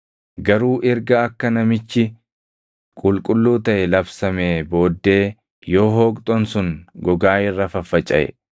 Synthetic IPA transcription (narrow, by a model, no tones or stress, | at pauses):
ɡɐɾuːʔɛɾɡɐɐkːɐnɐmɪt͡ʃːɪ | kʼʊlkʼʊlːuːt̪ɐʔɛlɐbsɐmeːbo̞ːd̪ːe̞ː | jo̞ːɦoːkʼt̪ʼɔnsʊŋɡɔɡaːɪrːɐfɐfːɐt͡ʃʼɐ̰ʔɛ̰